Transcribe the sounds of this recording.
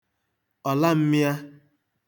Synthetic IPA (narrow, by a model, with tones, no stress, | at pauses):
ɔ˨la˦m̩˦mi˦ja˦